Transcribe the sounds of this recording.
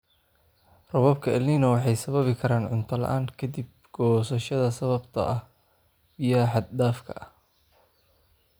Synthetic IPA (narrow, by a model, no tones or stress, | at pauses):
rɔβɐb̚kʰɐʔɛlniːnɐwɑħɑjsɐβɐβɪkʰɐɾaːnʕʊnt̪ʰɐlɐ̰ʔaːŋkʰɐd̪ib̚ɡ̥ɔːsɐʃɐðɐsɐβɐbt̪ʰɐ̰ʔɐh | bɪjɐħɑd̪̚d̪aːfkʰɐ̰ʔɐ